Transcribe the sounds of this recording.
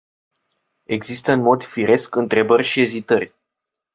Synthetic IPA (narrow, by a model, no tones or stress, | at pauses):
e̞ɡzist̪əɨnmo̞d̪fiɾe̞skɨnt̪ɾe̞bərʲʃie̞zit̪ərʲ